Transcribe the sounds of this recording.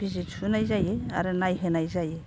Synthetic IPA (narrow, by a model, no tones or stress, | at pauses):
b̥izitsunajzajea̰ɾɯnajɦenajzaje